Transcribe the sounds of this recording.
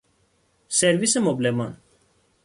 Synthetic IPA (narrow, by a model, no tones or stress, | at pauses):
sɛɾvisɛmoblɛmɑn